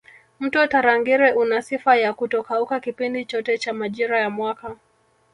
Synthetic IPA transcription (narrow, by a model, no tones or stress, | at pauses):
m̩tɔtaɾaŋɡiɾɛʔunasifajakutɔkaukakipindit͡ʃɔtɛt͡ʃamaʄiɾajamwaka